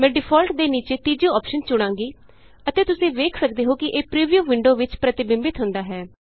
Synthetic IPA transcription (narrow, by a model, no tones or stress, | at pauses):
mɛ̃ːɖɪpʰɔːlʈd̪eːniːt͡ʃeːt̪iːd͡ʒoːɔːpʃənt͡ʃʊɽ̃ãːŋɡiː | ət̪eːt̪ʊsĩːʋeːkʰsəkd̪eːɦoːkɪʔeːpɾiːʋijuːʋɪɳɖoːʋɪt͡ʃpɾət̪ɪbɪmbɪt̪ɦʊ̃nd̪aːɦɛː